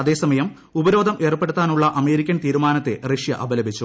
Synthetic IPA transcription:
ɐðe̞ːsɐmɐjɐm | ubɐɾo̞ːd̪ʱɐmʔe̞ːrpːe̞ɽut̪ːaːnuɭːɐʔɐme̞ːɾikʲːɐnt̪iːɾumaːnɐt̪ːe̞reʂjɐ̰ʔɐbɐlɐbʱit͡ɕːu

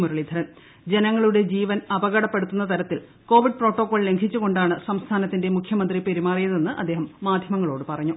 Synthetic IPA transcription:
murɐɭid̪ʱɐɾɐn | d͡ʑe̞nɐŋːɐɭuɽe̞d͡ʑiːʋɐnɐbɐɣɐɽɐpːe̞ɽut̪ːunːɐt̪ɐɾɐt̪ːil | ko̞ːʋiɖ̚pro̞ːʈːo̞ːkːoːɭle̞ŋɡʰʱit͡ɕːuɣo̞ɳɖaːɳɨsɐmst̪ʰaːnɐt̪ːinde̞mukʰjɐmɐnd̪ripeɾimaːrijɐðe̞nːɨʔɐ̰d̪ːe̞ːɦɐmːaːd̪ʱjɐmɐŋːɐɭo̞ːɽɨpɐrɐɲːu

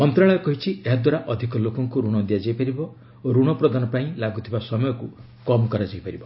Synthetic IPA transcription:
mɔnt̪ɾaɭɔjɔkɔɦit͡ʃʰieɦad̪waɾaʔɔd̪ʱikɔlokɔŋkuɾuɽ̃ɔd̪ijad͡ʒajpaɾibɔ | oɾuɽ̃ɔpɾɔd̪anɔpaĩlaɡut̪ʰibasɔmɔjɔku | kɔmɔkɔɾad͡ʒajpaɾibɔ

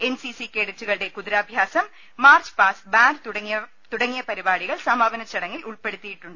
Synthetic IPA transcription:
ɛnsisikeːɽɯtɾːɯɣɐɭɽekʊðɪɾaːbʱjaːsɐmː | aːɾt͡ʃpaːsbaːnɖ̪ɐ | t̪ʊɽɐŋːɪjɐpɐɾɪbaːɽɪɣɐɭsɐmaːʋɐnɐt͡ʃːɐɽɐŋɡɪlʊɭpɛɽɯt̪ːɪjɪʈːʊɳɖɐ

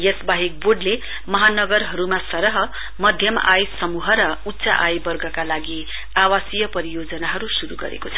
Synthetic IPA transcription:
jesbaɦik̚boɖle | mʌɦanʌɡʌrɦʌɾumasʌɾʌɦʌ | mʌd̪ʱjʌmajsʌmuɦʌɾʌutːsa̰ʔajbʌrɡʱʌkalaɡi | awasijʌpʌɾijod͡zʌnaɦʌɾusuɾuɡʌ̰ɾḛkot͡sʰʌ̥

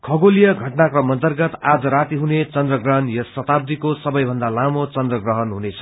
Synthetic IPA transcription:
kʰʌɡolijʌɡʱʌʈnakrʌmʌnt̪ʌrɡʌt̪ad͡zʌɾat̪iɦunet͡sʌnd̪rʌɡrʌɦʌnjʌsʌt̪ab̚d̪ikosʌbʌjbʱʌnd̪alamot͡sʌnd̪rʌɡrʌɦʌnɦunet͡sʰʌ̥

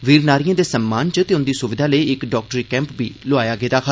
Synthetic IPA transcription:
ʋiːɾnaːɾijãːd̪eːsəmːaːnt͡ʃət̪eːʊnd̪iːsʊʋɪd̪ʱaːləiɪkɖɔːk̚ʈəɾiːkɛ̃ːmpbḭːlʊaːjaːɡeːd̪aːkʰa

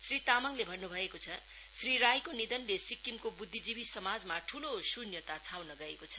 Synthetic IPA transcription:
srit̪amʌŋlebʱʌnːubʱʌekot͡sʰʌ | sriɾajkonid̪ʌnlesikːimkobud̪ʱːid͡zibisʌmad͡zmaʈʰulosunjʌt̪at͡sʰawnʌɡʌekot͡sʰʌ̥

